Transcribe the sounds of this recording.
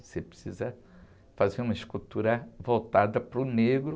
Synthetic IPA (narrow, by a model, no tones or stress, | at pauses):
sepɾɪsizɐ | fazeɾũmɐiʃkut̪uɾɐvowt̪ad̪ɐpɾʊneɡɾʊ